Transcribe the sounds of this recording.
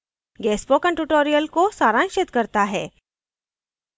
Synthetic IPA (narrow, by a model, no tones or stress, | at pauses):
ɡɛːsbokə̃ɳʈuʈoːɾijəlkosaːɾãːŋʃɪt̪kɐɾt̪aɦɛː